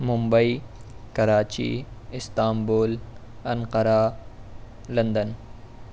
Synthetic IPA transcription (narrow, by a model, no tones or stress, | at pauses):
mʊmbəiːkɐɾaːt͡ʃḭɪst̪aːmboːl | ɐnqəɾaː | lɐ̃nd̪ən